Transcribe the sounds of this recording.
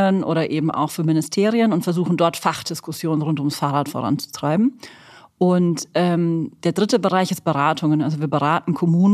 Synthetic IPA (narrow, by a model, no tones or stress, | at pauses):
ənʔo̰ːɾɐʔeːbm̩ʔa̰ʊxfyːɐmɪnɪstʰeːʁiənʊntfɛɐzuːxn̩dɔɐtfaχd̥ɪskʊsjoːnənʁʊntʊmsfaːʁaːtfo̰ʁa̰nt͡su̥tʁ̥aɪbm̩ | ʔʊntʔɛːmd̥eːɐdʁɪtəbəʁaɪçɪst̚b̥əʁaːtʰʊŋənʔa̰lzoviːɐbəʁaːtn̩kʰɔmuːn